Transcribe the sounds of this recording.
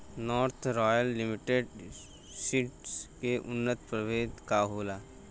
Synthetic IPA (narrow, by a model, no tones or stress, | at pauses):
nɔːɾt̪ʰɾɔːjəlːɪmɪʈeɖ | siʈskeʔʊnːət̪pɾəʋeːt̪kaːɦoːlaː